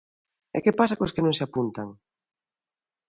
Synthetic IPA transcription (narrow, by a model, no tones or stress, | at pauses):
ɛ̰kepasakoskɪnõŋseapunt̪aŋ